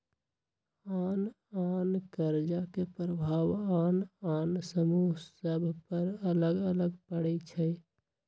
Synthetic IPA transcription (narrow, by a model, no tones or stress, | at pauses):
an | ankəɾd͡ʒakepɾəbʱaʋanansəmuɦsəbʱpəɾələɡələɡpəɽɛt͡ʃʰɛɪ